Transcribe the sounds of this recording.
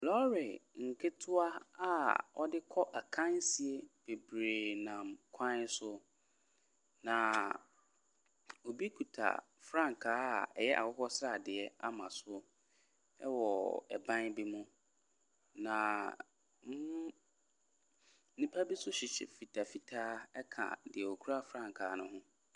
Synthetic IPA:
lɔ˦ɾɪ˨ŋ̩˨kʰɪ˦tʰʊ˦a˦a˦ɔ̰˦dɪ˦kʰɔ˦ʔa˨kʰã˦n˦si˨e˦b̥e˨bɾeː˨nã˨mkʰã˦n˦sʊ˦ | nã˨ | o˨bi˦kʰu˨tʰa̰˨ | fɾã˦ŋ˨kʰaː˦a̰˨ɛ˨jɛ˦ʔa̰˨kɔ˦kɔ˦sɾa˨dɪ˨ɛ˦a˦mã˨sʊ˦ | ɛ˦wɔ˨ɛ̰˨bã˦nbi˦mʊ̃˦ | nã˨ | m˦ʊ̃˦ | nĩ˦pʰa˦bi˦sʊ˦ɕɪ˨ɕɪ̰˨fi˨tʰa˨fi˨tʰaː˦ɛ˦kʰã̰˨dɪ˨ɛ˨o˨kʰu˦ɾa˦fɾã˦ŋkʰaː˨˦nʊ̃˦ɦʊ̃˦

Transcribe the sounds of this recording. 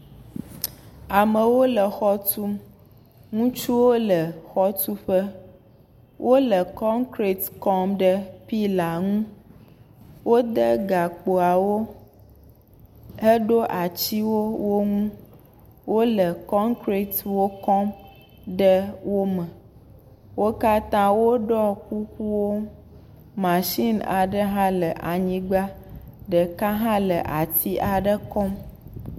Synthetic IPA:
a˨mə̃˨wo˦lə˨xɔ˦t̪u˦m | ŋũ˦t͡ʃu˦wo˦lə˨xɔ˦t̪u˦ɸə˦ | wʔo˦lə˨kɔ˦ŋkɾi˨t̪kɔ˦mɖə˦pi˦la˨ŋũ˦ | wo˦d̪ə˦ɡa˨k͡po˨a˨wo˦ | ə˦ɖo˦ʔa˨t͡ɕi˦wo˦wo˦ŋũ˦ | wo˦lə˨kɔ˦ŋkɾi˦t̪wo˦kɔ˦m | ɖə˦wo˦mə̃˨ | wo˦ka˦t̪ã˦wo˦ɖɔ˦ku˦ku˦wo˦ | mã˨ʃi˦na̰˨ɖə˦ɦã˦lə˨ʔa˨ɲĩ˦ɡ͡ba˦ɖə˨kã˦ɦã˦lə˨ʔa˨t̪ʰi˦ʔa˨ɖə˦kɔ˦m

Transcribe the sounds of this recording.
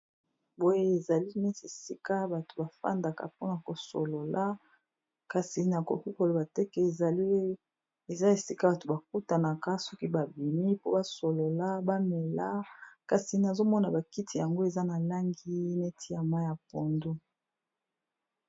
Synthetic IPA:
bo˨je˦e˨za˨li˦ne˦se˨si˦ka˦ba˨to̥˨ba˨fa̰˦nda˨ka̰˨po˦na˨ko˨so̰˨lo˨lʔa˦ | ka˨si˨na˨ko̰˨ki˦ko˨lo˨ba˨tɛ˦kɛ˦e˨za˨li˦ | e˨za˦e˨si˦ka˦ba˨to˨ba˨k̚u˦ta˨na˨ka˦sɔ˦ki˦ba˨bi˨mi˦po˦ba˦so˨lo˨la˦ba˦mɛ˨la˦ka˨si˨na˨zo˦mɔ˦na˨ba˨ki˦tʰi˨ja˨ŋɡo˦e˨za˦na˨la˦ŋɡi˦ne˦tʰi˦a˨ma˦ja˨po˨ndo˦

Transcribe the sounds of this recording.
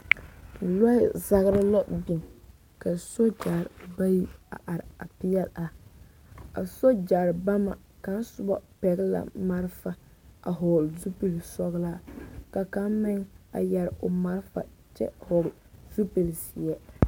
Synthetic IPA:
lɔ˦ɪ˦za˦ɣɾɪ˦la˦bi˨n | ka˨so˦d͡ʒa˨ɾba˦ji˦a̰˨ʔa˨ɾɪ˨a˨pɪ˦jɛ˦lʔa˨ | a̰˨so˦d͡ʒa˨ɾba˦ma̰˨ | ka˨˦n˦sʊ˦bɔ˦pɛ˨ɡla̰˨ma˦ɾfa˨ | a̰˨ɦo˨lzu˦pe˨lsɔ˦ɣla˦ka˨ka˦mɪ˦ŋa̰˨jɛ˨ɾɪ˨o˨ma˦ɾfa̰˨t͡ʃɛ̰˦ho˨ɡ | z̥u˦pe˨lsi˨jɛ˦

